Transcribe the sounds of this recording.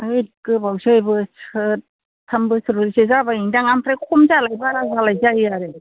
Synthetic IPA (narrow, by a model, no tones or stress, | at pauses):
ajkɯbawsɯjbɯsɯ | tʰːambɯsɯɾuɾisizabajiŋdaŋampʰɾakʰumzalajbaɾazalajzaijaɾe